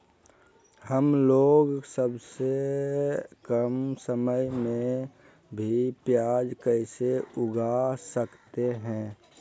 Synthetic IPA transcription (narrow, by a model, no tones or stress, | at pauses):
həmloːɡsəbse | kəmsəməjmẽ | bʱipjaːd͡ʒkəɪseʊɡasəkt̪eɦɛ̃ː